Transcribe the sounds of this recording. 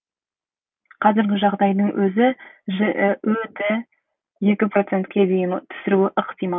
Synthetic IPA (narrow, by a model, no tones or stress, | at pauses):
qʰɑzɪɾɡʲɪʒɑʁd̪ɑjd̪əɴwʔɵzɪʒɪʔwɵt̪ɪ | je̞kʲɪpro̞t̪se̞nt̪kʲʰe̞d̪ejɪnt̪ʰʏ̥sɪɾuɪʔəqt̪ijmɑ